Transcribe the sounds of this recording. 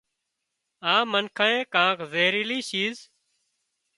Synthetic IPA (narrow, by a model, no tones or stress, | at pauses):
ãːmənkʰãːẽːkãːkʰzeːɾiːliːʃiːz